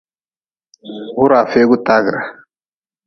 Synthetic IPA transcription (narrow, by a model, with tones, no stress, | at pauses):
ɣu˦ɾaː˨fe˦ɡu˦t̪aː˦ɡɾa˨